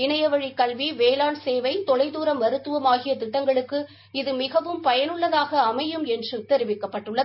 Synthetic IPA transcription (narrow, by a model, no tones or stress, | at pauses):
ɪnɐjɐʋɐɻikːɐlʋiʋeːlaːnseːʋɐɪt̪ɔɭɐɪðuːɾɐmʋɐɾɯt̪ːɯʋɐmaːɣɪjɐt̪ɪʈːɐŋɡɐɭɯkːɯ | ɪðɯmɪɣɐʋɯmpɐjɐnɯɭːɐðaːɣɐːmɐjɯmɛndrɯt̪ɛɾɪʋɪkːɐpːɐʈːɯɭːɐð